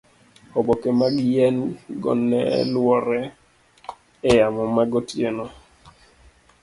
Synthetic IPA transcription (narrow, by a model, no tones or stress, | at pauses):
ɔbɔkemaɡɪjɛnɡɔ̰nɛ̰lwɔɾɛ | ɛjamɔmaɡɔtjenɔ